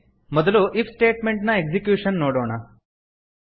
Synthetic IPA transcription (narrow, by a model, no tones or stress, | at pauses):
mɔd̪ɐluʔifʰsʈeːʈmeɳʈnɐeɡsikjuːʂɐnːoːɽoːɳ̃a